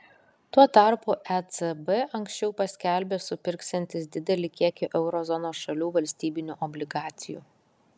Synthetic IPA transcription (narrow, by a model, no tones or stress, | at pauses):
t̪uɔt̪ɑɾpuːʔɛt̪sɛbɛʔɐŋʲksʲt͡ʃʲɛʊpɐsʲkʲælʲbʲeːsʊpʲɪɾksʲɛnʲt̪ʲɪs̬d̪ʲɪd̪ʲɛlʲɪkʲiɛkʲʊʔɛʊɾɔzɔnoːsʃɐlʲuːʋɐlʲsʲt̪ʲiːbʲɪnʲuːʔɔbʲlʲɪɡɑːt̪sʲɪjṵː